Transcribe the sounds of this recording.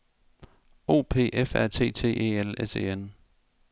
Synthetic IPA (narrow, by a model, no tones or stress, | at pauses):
o̝̰ːpʰe̝̰ːʔefæɐ̰t͡sʰe̝̰ːt͡sʰe̝̰ːḛːelese̝̰ːen